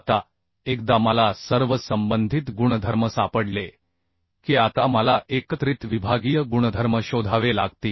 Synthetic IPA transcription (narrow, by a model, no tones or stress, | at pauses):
t̪a | ekd̪aməlasəɾʋəsəmbənd̪ʱit̪ɡuɳ̃əd̪ʱəɾməsapəɽle | kiːat̪aməlaʔekət̪ɾit̪ʋibʱaɡiːjəɡuɳəd̪ʱəɾməɕod̪ʱaʋela̰ɡ̚t̪iː